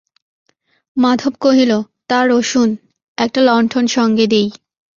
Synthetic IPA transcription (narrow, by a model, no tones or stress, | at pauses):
mad̪ʱob̚koɦilot̪aɾoʃun | ɛk̚ʈalɔɳʈʰonʃɔŋɡed̪ej